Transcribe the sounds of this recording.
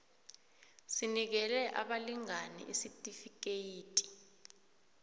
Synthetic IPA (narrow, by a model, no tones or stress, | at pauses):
sinik̬ɛlɛʔa̰ɓaliŋanḭʔisitʼifik̬ejiːtʼi̥